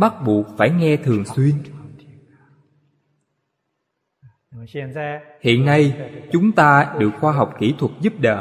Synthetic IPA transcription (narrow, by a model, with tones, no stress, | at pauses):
ɓa˦˥t̚ɓu˨˩ək̚faː˧˩jŋɛ˧t̪ʰɨ˨˩əŋswi˧ən | i˨hḭ˧˨ənːa˧jt͡ɕʊ˨˦ŋ͡mt̪aː˧ɗɨ˨˩ək̚xwaː˧ɦa˨˩wk͡p̚ki˧˩t̪ʰwə˨˩t̚zu˦˥p̚ɗə̰ː˧˨